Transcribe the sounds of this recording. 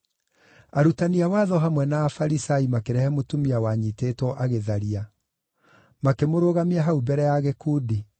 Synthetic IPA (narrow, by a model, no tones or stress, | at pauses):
aɾutaniawaðɔɦamwɛnaːfaɾisaimakeɾɛhɛmotumiawaɲitetwɔʔaɣeðaɾia | makemoɾoɣamiaɦaubɛɾɛjaɣekuːdi